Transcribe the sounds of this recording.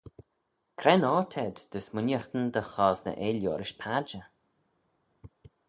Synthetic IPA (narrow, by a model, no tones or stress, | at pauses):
kʰɾɛnɔːt̪ʰɛd̪d̪̥əsmʊnjəɾt̪ənd̪əxɔːznə̰ʔeljoːɾɪʃpʰad͡ʒə